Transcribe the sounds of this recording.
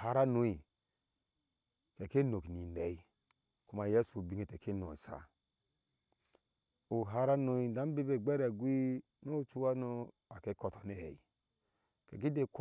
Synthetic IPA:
ha˨ɾa˦no˨˦i˨ | ke˨ke˦no˨ki˨ni˨ne˨i˦ | ku˦ma˨je˦so˨bi˨˦ŋe˨te˨ke˦n˨o̰˨i˨sa̰˨ | o˨ɦa˨˦ɾa˦no˨i˨da˨˦be˦be˨ɡ͡bɛ˦ɾa˨ɡʷi˦ | no˦˨t͡ʃu˦wa˦no˦ | a˨ke˦kɔ˨tɔ˨ne˨hɛ̰˨i˨ | kɛ˨k̬i˦de˦˨k

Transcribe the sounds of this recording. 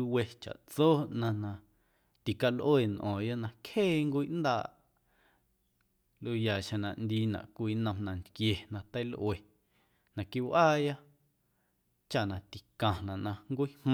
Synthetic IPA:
u˧we˧t͡ʃa̰˨ʔt͡soː˦nã˧nã˧ | t̪i˨ka˧lʔeː˨nʔɔ̰̃ː˨ja˦nã˧kheː˦˨ŋkʷiː˦ʔnd̪a̰ː˧˨ʔ | lʔu˧ja˨ʃẽ˧nã˨ʔnd̪i˧nã̰˨ʔkʷiː˧nə̃˧mnã˨nt̪kje˨nã˧t̪ə˦jlʔw̰e˨ | nã˧ki˧wʔaː˦˨ja˦ | t͡ʃa˧ʔnã˨t̪i˨kã˨nã˨ʔnã˧ŋkʷi˦hm

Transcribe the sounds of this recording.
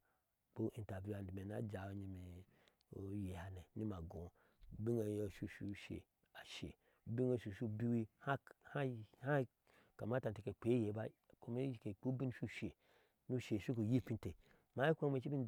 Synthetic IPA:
k͡po˦ʔi˨nta˨vu˦a˨ndi˨me˨na̰˦d͡ʒa˨o˨ɲi˨me˨ | o˨˦je˨ha˨ne˨ni˦ma˨ɡõ˨ | bi˦ŋa˨jʃu˦˨ʃu˦ʃḛ˨ | a˨ʃḛ˨ | bi˦ŋo˨ʃu˨ʃu˦˨bi˦wi˦ha˦ha˦ha˦ | ka˨ma˦ta˨n˨te˨ke˨k͡pe˨˦je˨˦ba˦ko˦me˦ke˨k͡pu˦bi˦n˦ʃu˦ʃe˨ | nu˦ʃe˨ʃu˦ko˨ji˦pi˦n˦te˨ | ma˨˦i˦kʷo˦me˨t͡ʃi˦bi˦n˦d

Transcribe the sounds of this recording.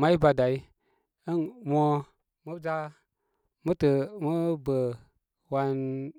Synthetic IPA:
ma˦i˦ba˧da˨i˦ | ə˦nmo˦ | mə˦d͡ʒa˦ | mə˦tə˨mə˦bə˨ | wa˧n

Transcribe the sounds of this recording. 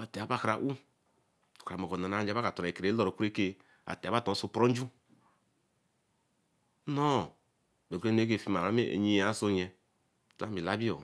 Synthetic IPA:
a˨te˨a˨ba˦˨kɾa˨ʔu˦ | o̥˨ka˨mo˨ko˨na˨a˨˦d͡ʒa˦ka˨tɔ˨ɾe˨ke˨ɾe˨˦o˦ɾo˨ku˦e˦ke˦ | a̰˨tɛ˨˦ba˦˨to˨˦so˦pɾo˦n˦d͡ʒu˦ | no˦˨ | be˨ɡe˦n˦e˦ke˦˨fi˦ma˨ɾa˦mḛ˦˨ɲi˦ja˦so˦ɲɛ˦ | ta˦mbi˨la˦bi˦o̰˨

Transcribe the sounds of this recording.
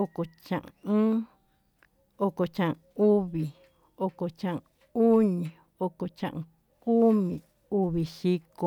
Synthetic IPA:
o˧ko˧˨t͡ʃã˨ʔ | o˧ko˨t͡ʃã˧˨ʔ | u˦βi˨ | o˧ko˨t͡ʃã˧ʔ | u˦ɲĩ˨ | o˧ko˨t͡ʃã̰˧ʔõ˧ | ku˦mĩ˨ | u˧βi˨ʃi˦ko˧

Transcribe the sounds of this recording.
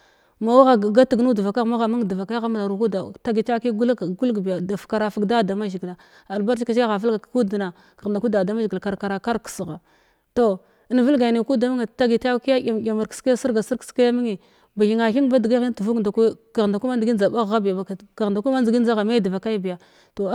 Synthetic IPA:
ma˨wa˦ɣa˨ɡa˦tu˨ɡnu˦du˨va˨ka˦ɣma˦ɣa˨ma˦ŋ˨də˨va˨ka˦ɣa˦m˨na˨ɾu˨ku˦da˨ta˦ɡi˨ta˦ki˦ɡu˦lɡu˦lɡbi˨ja˨da˨fka˨ɾa˨fa˨˦ɡda˦˨da˨ma˦ʒi˨ɡla˨ | a˨lba˦ɾt͡ʃi˦ka˨t͡ʃɡa˦ɣa˨və˦lɡa˨ku˦dna˨ | ka˨ɣnda˨ku˦da˨da˨ma˦ʒi˨ɡi˨lka˨ɾka˨ɾa˨ka˦ɾksɣa˨ | to˦ | ə˦n˨və˦lɡa˨ni˨ku˦da˨m˦ŋ˨ta˦ɡi˨ta˦ki˦ja˦a˨a˨ma˨ɾkska˦ja˦si˦ɾɡa˨si˦ɾkka˦ja˦mi˦ŋi˨ | ba˨ɣi˨ŋa˨xi˦ŋ˦ba˦di˨ɡa˦i˦tu˨vu˦knda˨ku˦ka˨ɣda˨ku˦ma˦ndi˨ɡi˦n˦d͡za˨ba˦ɣɣa˦bi˨ja˨ba˨ka˨ɣnda˨ku˦ma˦ndi˨ɡi˦n˦d͡za˦ɣa˨ma˦də˨va˨ka˦bi˨ja˨ | to˨˦

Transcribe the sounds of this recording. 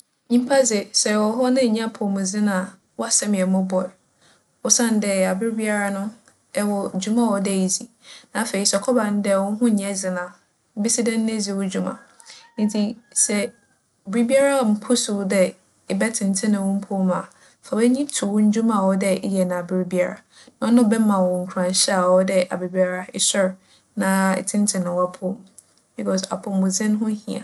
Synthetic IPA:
ɲĩ˦m˦pʰa˦zɪ˨sɛ˨wɔ˨˦ɦɔ˦nɪ̃˦˨ɲã˦pʰʊ˨mʊ̃˨zɪ˦nã˨ | wɔ˦a˨sɛ˦m˨ɛ˨mʊ̃˦bɔ˨ɾ | ɔ˦sã˦n˨dɛ˨a˨bɪ˦ɾbi˦a˦ɾa˦nʊ̃˦ | ɛ˦wɔ˨d͡ʑᶣu˦mã˦˨wɔ˨dɛ˦˨i˨zi˨ | nã˨˦fe˨i˦sɛ˨kʰɔ˦bã˨n˦dɛ˦˨wɔ˦ɦʊ̃˦ɲ˨ɛ̃˦zɪ˨nã˨˦ | bi˦sɪ˦dɛ̃˦n̩˦nẽ˦zi˨wɔ˦d͡ʑu˦mã̰˨ | n̩˨˦tʰi˦sɛ˨ | bɪ˨ɾi˦bi˦a˦ɾa˦˨m̩˨˦pʰʊ˦sʊ˨dɛ˦ | ɪ˨bɛ˦tʰɪ̃˨n˨tʰɪ̃˦nʊ̃˨wʊ̃˦m̩˦pʰʊ˦ma˨ | fa˨bɛ˦ɲĩ˦tʰʊ˨wʊ̃˦ɲ̩˦d͡ʑu˦mã˨wɔ˦dɛ˦ɪ˦jɛ˨nã˨bɪ˨ɾi˦bi˦a˦˨ɾa̰˨ | nã˨ɔ˦nʊ̃˦˨bɛ˦mã˨wɔ̃˨ŋ̩˨kʰu˨ɾã˨ɕɛ˦a˨wɔ˦dɛ˦ʔa̰˨be˨bi˦a˦ɾa˦ɪ˦sʊ˦ɾ | nã˨ɪ̰˨tʰɪ̃˦n˦tʰɪ̃˨nʊ̃˨wa˦pʰʊ˦m | bi˨kʰɔ˦s̬a̰˨pʰʊ̃˨mmʊ̃˨zɪ̃˦n˦ɦʊ̃˦hĩ˨a̰˨

